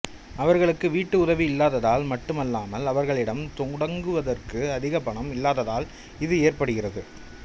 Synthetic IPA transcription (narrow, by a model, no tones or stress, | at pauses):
ɐʋɐɾɣɐɭɯkːɯʋiːʈːɯʊðɐʋiɪlːaːðɐðaːlmɐʈːɯmɐlːaːmɐlɐʋɐɾɣɐɭɪɽɐmt̪ʊŋɽɐŋɡɯʋɐðɐrkɯɐðɪɣɐpːɐɳɐmɪlːaːðɐðaːl | ɪðɯeːrpɐɽɯɣɪrɐðɯ